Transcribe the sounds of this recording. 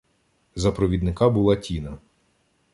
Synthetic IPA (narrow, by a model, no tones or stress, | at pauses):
zɐpɾɔʋʲid̪nɪkɑbulˠɑtʲinɐ